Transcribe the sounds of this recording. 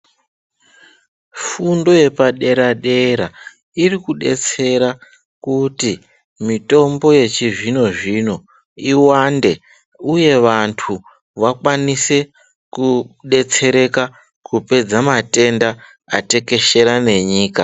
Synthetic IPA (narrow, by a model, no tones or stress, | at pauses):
fundo̞je̞paɗe̞ɾaɗe̞ɾa | irikuɗe̞t͡se̞ɾa | kuti | mito̞mbo̞je̞t͡ʃiʐino̞ʐino̞ | iwande̞ | uje̞ʋantʰu | ʋakwanise̞ | kuɗe̞t͡se̞ɾe̞ka | kupe̞d͡zamate̞nda | ate̞ke̞ʃe̞ɾane̞ɲiːka